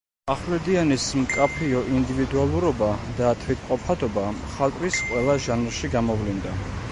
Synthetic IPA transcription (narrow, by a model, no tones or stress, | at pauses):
aχlɛd̪ianismkʼapʰiɔʔind̪ivid̪ualˠuɾɔbad̪at̪ʰwit̪qʼɔpʰad̪ɔbaχalˠt̪ʼwisqʼwɛlˠaʒanɾʃiɡamɔvlind̪a